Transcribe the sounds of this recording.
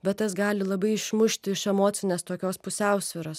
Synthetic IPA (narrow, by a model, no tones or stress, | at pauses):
bʲɛt̪tɐsɡɑːlʲɪlˠɐbɐɪɪʃmʊʃʲtt̪ʲɪɪʃɛmoːt̪sʲɪnʲeːst̪oːkʲoːspʊsʲæˑʊsʲʋʲɪɾoːs